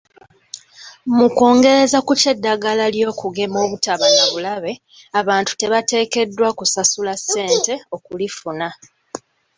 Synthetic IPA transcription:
muko̞ːŋɡe̞ɾe̞zakuce̞dːaɡalaljo̞ːkuɡe̞mo̞ːβutaβanaβulaβe̞ | aβaːntu̥te̞βate̞ːke̞dːwakusasulasːe̞ːnte̞o̞kulifuna

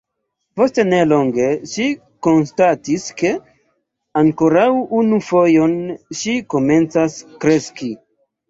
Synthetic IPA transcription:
po̞ste̞ne̞lo̞ŋɡe̞ʃi | ko̞nstatiske̞ | aŋko̞ɾawunufo̞jo̞nʃiko̞me̞nt͡saskɾe̞ski

